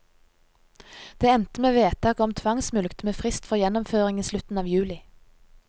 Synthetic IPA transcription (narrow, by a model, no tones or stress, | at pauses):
d̪̥eːɛnt̪əmeːʋeːt̪ʰɑːkɔmt̪ʰʋɑŋsmʉlkt̪meːfʁɪst̪fɔʁjɛnɔmføːʁɪŋiːslʉt̪n̩ɑːʋjʉːlɪ